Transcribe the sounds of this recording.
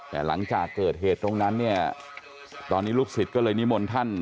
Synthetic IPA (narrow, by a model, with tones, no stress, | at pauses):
t̪ɛ̰ː˨˩la̰˩˦ŋt͡ɕaː˨˩kːɤː˨˩t̪̚ɦeː˨˩t̪ːɾo˧ŋna˦˥nːi˥˩ɐ | t̪ɔː˧nːiː˦˥luː˥˩k̚si˨˩t̪̚kɔ˥˩lɤː˧jni˦˥mo˧nt̪ʰa˥˩n